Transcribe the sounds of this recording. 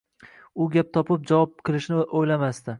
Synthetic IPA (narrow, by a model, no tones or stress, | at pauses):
ʊɡʲap̚t̪ʰɒpɪp̚d͡ʒavɒp̚kʰɨlˠɪʃnɪʔojlamast̪ɪ